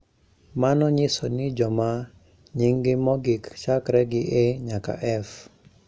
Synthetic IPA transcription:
manɔɲɪsonɪd͡ʒɔma | ɲiŋɡɪmɔɡɪkt͡ʃakɾɛɡɪʔeɲaka̰ʔɛf

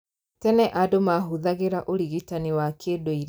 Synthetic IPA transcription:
tɛnɛʔadomaɦuðaɣeɾaʔoɾiɣitaniwakʰedoiɾ

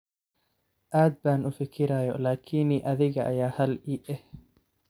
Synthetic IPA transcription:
ʔaːd̪̚baːnʔʊfɪkʰɪɾaːjɔlaːkʰiːniʔɐðɪɣɐʔːjaːhɐliʔɛh

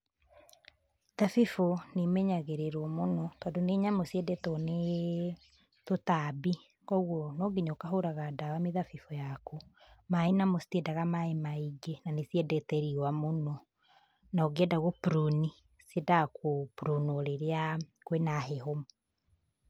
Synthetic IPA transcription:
ðafifonemɛɲaɣeɾeɾwɔmonɔtɔːndoneɲamosiɛdɛtɔne | totabi | kɔɣwɔnɔɡeɲokaɦoɾaɣadawameðafifojakumaenamostɛdaɣamaemaiɡenanesiɛdɛtɛɾiwamonɔ | naoɡeɛdaɣopuɾuni | siɛdakopuɾonoɾeɾeakwenaɦehom

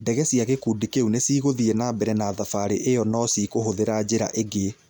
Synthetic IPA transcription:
dɛɣɛsiaɣekudikeunesiːɣoðienabɛɾɛnaːðafaɾeʔejɔnɔsiːkoɦoðeɾad͡ʑeɾa̰ʔeɡe

